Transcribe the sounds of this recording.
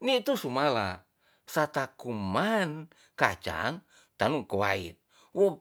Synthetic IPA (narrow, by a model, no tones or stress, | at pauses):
nit̪usumala | sat̪akuman | kat͡ʃa̰ŋ | t̪anuŋkowa̰ḭt̪̚ | wo